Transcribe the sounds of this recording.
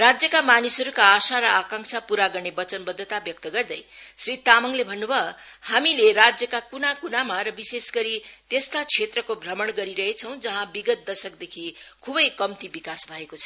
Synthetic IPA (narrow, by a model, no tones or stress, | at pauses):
rad͡zjʌkamanisɦʌɾukaːsaɾʌakãŋsʰapuɾaɡʌrnebʌt͡sʌnbʌd̪ʱːʌt̪abjʌk̚t̪ʌɡʌrd̪ʌjsrit̪amʌŋlebʱʌnːubʱʌ | hamileɾad͡zjʌkakunakunamaɾʌbisesɡʌɾit̪est̪at͡sʰet̪rʌkobʱrʌmʌɽɡʌɾiɾʌɦet͡sʰʌ̃w̃d͡zʌɦãbiɡʌt̪̚d̪ʌsʌkd̪ekʰikʰubʌjkʌmt̪ibikasbʱʌekot͡sʰʌ̥